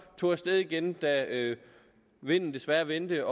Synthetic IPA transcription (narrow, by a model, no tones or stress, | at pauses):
t͡sʰo̝̰ːæsd̥eð̞ˠiɡ̥end̥æø | ʋe̝n̰n̩d̥e̝sʋæːɐʋend̥əɒ̽